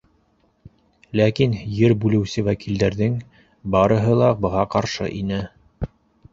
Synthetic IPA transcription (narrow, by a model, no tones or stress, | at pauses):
lækinjɘɾbʉlɘ̆wsɘwækild̪æɾðɘŋ | bɑɾɤ̆ɦɤlˠɑbɤ̆ʁɑqɑɾʃɤ̰ʔinɘ